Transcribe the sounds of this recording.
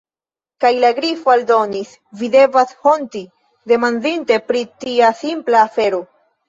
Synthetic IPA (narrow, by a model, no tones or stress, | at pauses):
kajlaɡɾifoaldo̞nis | vide̞vasho̞nti | de̞mandinte̞pɾitiasimplaːfe̞ɾo̞